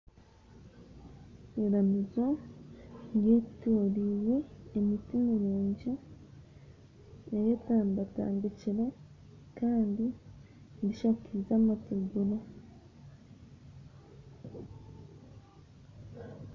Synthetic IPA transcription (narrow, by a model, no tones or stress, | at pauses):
eɾanuzo | jetuɾiwe̞ːmitimiɾuːɲɟi | ejetaːmbata̰ːndiciɾe | kaːndi | ndiʃakizamatuɡuɾa